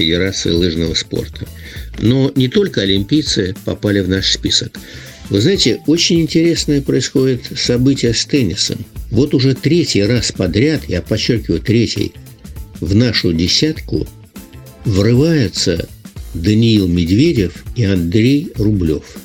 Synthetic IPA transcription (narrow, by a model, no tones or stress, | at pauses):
fʲɪdʲɪɾat̪sɨ̰ɪlˠɨʐnəvəspo̞̰rt̪ʰəno̞nʲɪt̪o̞lʲkəɐlʲɪmʲpʲijt̪sɨpɐ̰palʲɪvnaʂspʲisək | vɨznajɪtʲɪo̞t͡ɕɪnʲɪnʲtʲɪɾʲe̞snɨjəpɾəɪsxo̞dʲɪt̪sɐbɨtʲɪjəst̪ɛnʲɪsə̰mvo̞t̪ʊʐɛt̪ɾʲetʲɪjraspɐd̪ɾʲat̪japɐt͡ɕːo̞rkʲɪvʊjt̪ɾʲetʲɪ̰j | vnaʂʊdʲɪsʲat̪kʊ̰ | vrɨvajɪt̪sə̰d̪ənʲɪilˠmʲɪd̪vʲedʲɪfiɐnd̪ɾʲejrʊblʲo̞̰f